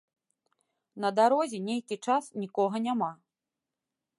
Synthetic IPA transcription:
nɐd̪aɾɔzʲɛnʲejkʲit͡ʂasnʲikɔɣɐnʲama

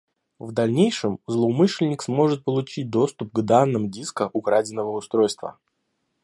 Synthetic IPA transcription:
vd̪ɐlʲnʲejʂɨmzlˠəːmɨʂlʲɪnʲɪksmo̞ʐɨt̪̚pəlˠʊt͡ɕit̚ʲd̪o̞st̪ʊp̚ɡd̪anːɨmʊdʲiskəʔʊkɾadʲɪnːəvəʊst̪ɾo̞jst̪və̰

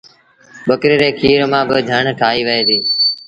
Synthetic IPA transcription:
ɓəkɾeːɾeːkʰiːɾmãːbɪd͡ʒʱəɳʈʰaːiːʋəɦeːd̪iː

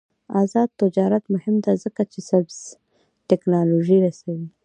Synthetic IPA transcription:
azɑd̪̚t̪ɪd͡ʒɑɾat̪mʊhɪmd̪azəkat͡ʃesabz̥ | tɪknɑloʒiɾasawi

